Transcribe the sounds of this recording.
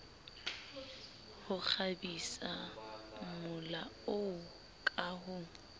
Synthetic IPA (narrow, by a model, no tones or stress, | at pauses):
hʊk͡xʰabisa | mʊlaoʊ | kʼahʊ